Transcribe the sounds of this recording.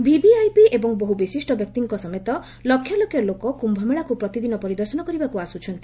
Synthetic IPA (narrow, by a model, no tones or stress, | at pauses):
bibiajpiʔebɔŋboɦubisisʈɔbjɔk̚t̪iŋkɔsɔmet̪ɔ | lɔkʰːjɔlokjɔlokɔkumbʱɔmeɭakupɾɔt̪id̪inɔpɔɾid̪ɔɾsɔnɔkɔɾibakuasut͡ʃʰɔnt̪i